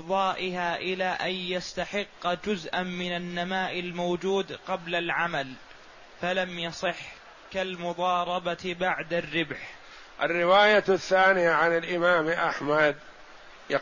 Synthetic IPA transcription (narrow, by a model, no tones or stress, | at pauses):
ðˤɑːʔɪɦaːʔɪlaːʔajjast̪aħɪqːd͡ʒʊzʔanmɪnanːamaːʔɪlmowd͡ʒuːd̪qɑblalʕamal | falamjɑsˤɨħ | kalmʊðˤɑːɾˤɑbabaʕd̪arːɪbħ | ʔa̰rːɪwaːjaθːaːnɪjaʕanɪlʔɪmaːmʔaħmad̪̚ | j